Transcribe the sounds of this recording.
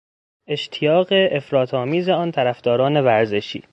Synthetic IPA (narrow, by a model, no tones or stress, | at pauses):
ʔe̞ʃt̪ʰijɒːɣe̞ʔefɾɒːt̪ʰɒːmiːze̞ɒːnt̪ʰæɾæfd̪̥ɒːɾɒːne̞væɾze̞ʃḭː